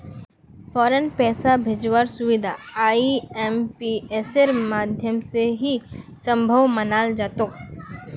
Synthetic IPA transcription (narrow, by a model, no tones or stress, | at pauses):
fʰɔːɾənpɛːsabʱed͡ʒwaːɾsʊʋɪd̪ʱaaːiɛmpieːseɾmaːd̪ʱjəmseɦisə̃mbʱəʋmənaːld͡ʒaːt̪ok